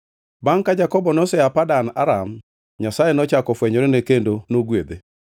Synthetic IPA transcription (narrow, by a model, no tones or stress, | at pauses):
baŋkad͡ʒakɔbɔnɔsɛapadana̰ɾam | ɲasajenɔt͡ʃakɔfwɛɲɔɾenekendonoɡwed̪e